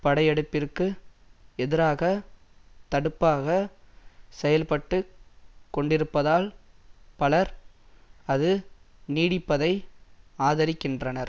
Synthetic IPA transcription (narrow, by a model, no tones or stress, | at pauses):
pɐɽɐɪɛɽɯpːɪrkɯ | ɛðɪɾaːɣɐ | t̪ɐɽɯpːaːɣɐ | sɛjɐlpɐʈːɯkːɔɳɖɪɾɯpːɐðaːlpɐlɐɾ | ɐðɯniːɽɪpːɐðɐɪaːðɐɾɪkːɪndrɐnɐɾ